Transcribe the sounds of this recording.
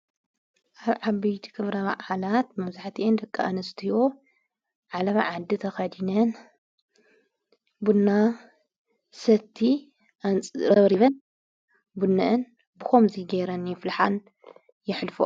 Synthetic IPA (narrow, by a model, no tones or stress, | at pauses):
ʔaβʕaβɐjt̪ʰi̥kʰɨβɾɐma̰ʔalat̪mɐβzaħt̪ʰiʔend̪ɐkʼːaʔanɨst̪ʰijo | ʕalɐβaʕad̪ːit̪ʰɐxɐd̪inɐn | bunːa | sɐt̪ʰːi | ʔant͡sʼɾɐβɾiβɐn | bunːɐʔɨn | bɨxomziɡeɾɐnjɪflaħan | jɪħlfo̰